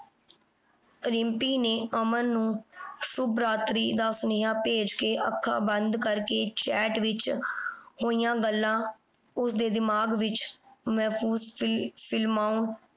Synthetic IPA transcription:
ɾɪmpiːneːəmənːũːsʊbɾaːt̪ɾiːd̪aːsʊnɪɦaːpeːd͡ʒkeːʔəkʰːa̰ːbənd̪kəɾkeːt͡ʃɛːʈʋɪt͡ʃ | hoːijãːɡəlːãː | ʊsd̪eːd̪ɪmaːɡʋɪt͡ʃmɛːpʰuːzpʰɪlmaːʊn

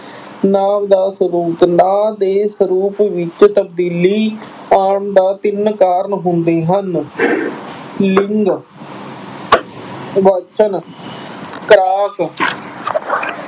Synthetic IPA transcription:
naːʋd̪aːsəɾuːpnaːd̪eːsəɾuːpʋɪt͡ʃt̪əb̚d̪iːliː | aːɳd̪aːt̪ɪnkaːɾəɳɦʊnd̪eːɦən | lɪŋɡ | ʋət͡ʃən | kɾaːk

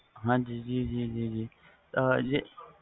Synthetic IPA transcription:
ɦãːd͡ʒiːd͡ʒid͡ʒid͡ʒid͡ʒiː | t̪əje

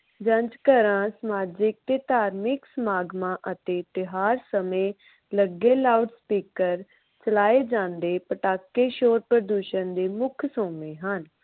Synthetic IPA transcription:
d͡ʒə̃ɲd͡ʒkəɾãːsəmaːd͡ʒɪk̚t̪eːt̪aːɾmɪksəmaːɡmãːʔət̪eːt̪ɪɦaːɾsəmẽː | ləɡeːlaːuɖspiːkəɾ | t͡ʃəlaːeːd͡ʒãːnd̪eːpəʈaːkːeːʃoːɾpɾəd̪uːʃənd̪eːmʊkʰsoːmẽːɦən

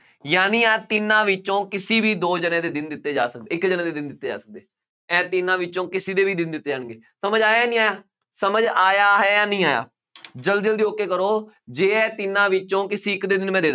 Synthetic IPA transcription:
jaːnĩːɛːt̪ɪnãːʋɪt͡ʃõːkɪsiːbiːd̪oːd͡ʒənẽːd̪eːd̪ɪnd̪ɪt̪ːeːd͡ʒa̰ːsək̚d̪eːɪkd͡ʒənãːd̪eːd̪ɪnd̪ɪt̪ːeːd͡ʒa̰ːsə̥k̚d̪eː | ɛ̃ːt̪ɪnãːʋɪt͡ʃːõːkɪsiːd̪eːʋiːd̪ɪnd̪ɪt̪ːeːd͡ʒaːɳɡeː | səməd͡ʒaːjanĩːaːjaː | səməd͡ʒaːjaːɦɛːjãːnĩːaːja̰ː | d͡ʒəld̪d͡ʒəld̪iːoːkeːkəɾoː | d͡ʒeːɛːt̪ɪnãːʋɪt͡ʃõːkɪsiːɪkd̪eːd̪ɪnmɛ̃ːd̪eːd̪

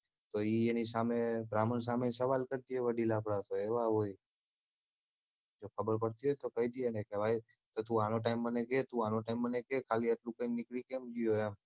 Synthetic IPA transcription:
t̪oienis̬amebɾaməns̬amesəʋalkəɾt̪ieʋəɖilapɽat̪oeʋaɦoj | d͡ʒokʰəbəɾpəɽt̪iɦojt̪okəit̪ienekebʱaj | t̪ot̪ũanoʈ̬aɪmːəneket̪ũanoʈaɪmbənekekʰaliəʈlũkəjnɪklikemd͡ʒuoem

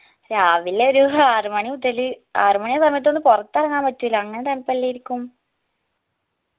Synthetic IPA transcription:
ɾaaːʋileoɾuaːrumɐɳiud̪ɐlɨaːrumɐɳijesɐmɐjɐt̪̬ːo̞nːɨpurɐt̪ːɨɐrɐŋːaːmpɐtːuilɐɐŋːɐnet̪ɐnpɐlːejiɾikʲːum

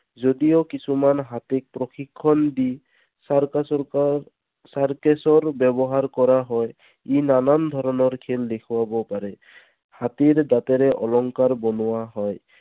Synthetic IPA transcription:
zodijokisʰumanɦat̪ek̚pɹɔxʰikʰːɔndi | saɹkesɔɹbɛbɔɦaɹkɔɹaɦɔj | inanand̪ʱɔɹɔnɔɹkʰeldekʰuwabɔpaɾɛ | hat̪iɹdat̪ɛɾɛʔɔlɔŋkaɹbɔnʊwaɦɔj

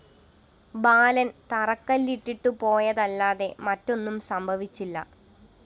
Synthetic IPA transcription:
baːlɐnt̪ɐrɐkːɐlːiʈːiʈːupo̞ːjɐðɐlːaːðe̞mɐtːo̞nːumsɐmbʱɐʋit͡ɕːilːɐ̰

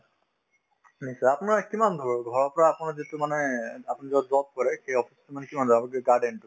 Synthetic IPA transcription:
nisaapʊnaɹkimand̪ʱɔɹɡʱɔɹɔɹpɔɹaːpunaɹzitumanɛapnizɔd̪ɔt̪̚kɔɹɛxejɔpʰi̥stumanɛkimand̪ʱɔabɔɡɛɡaɖɛntu

